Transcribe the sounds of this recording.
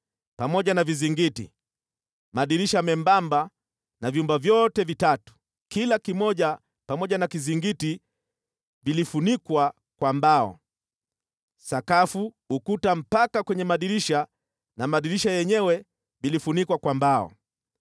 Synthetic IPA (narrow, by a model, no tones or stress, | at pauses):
pamɔʄanaviziŋɡitḭ | maɗiɾiʃamɛmbamba | navjumbavjɔtɛvitatu̥ | kilakimɔʄa | pamɔʄanakiziŋɡiti | vilifunikwa | kwambaɔ̰ | sakafu | ukutam̩pakakwɛɲɛmaɗiɾiʃa | namaɗiɾiʃajɛɲɛwɛ | vilifunikwakwambaɔ̰